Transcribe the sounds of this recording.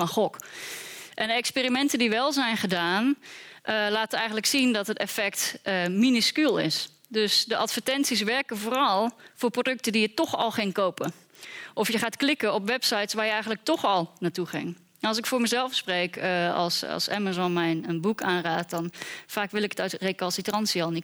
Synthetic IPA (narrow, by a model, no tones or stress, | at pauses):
fɔnxɔk | ʔɛndəɛkspiːrimɛntədiʋɛlˠzɛjnχədaːnʔlaːtəɛjxən̩tləksindɔtɦətɛfɛktəminiskylˠɪ̰s | døsdəʔatfəɹtɛnsis̬ʋɛrkəvoːrɔlˠfʊːrprodɵk̚tədijətɔxɔ̰lˠχɪŋkowpə | ʔɔfjəχaːtklɪkəɔpʋɛpsajtsʋaːɹjəɛjɣən̩lək̚tɔχɔlˠnaːtuχɪ̰ŋ | nɑlˠs̬ɪkfʊːɹməzɛlˠfsprejkɑ̰lˠsɑ̰lˠsa̰mazɔnmɛjnənbukaːnraːt̚dɔnfaːkʋɪlˠɪkə̥tœɥtrekɔnsitrɑnsiɔlˠnit